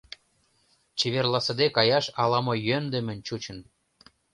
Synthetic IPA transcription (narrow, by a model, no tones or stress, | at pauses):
t͡ɕeβerlɑsə̆d̪ekɑjɑʃɑlɑmojønd̪ə̆mɘ̆nʲt͡ɕut͡ɕə̆n